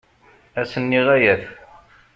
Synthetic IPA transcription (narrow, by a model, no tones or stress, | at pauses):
æsənːiʁæjæθ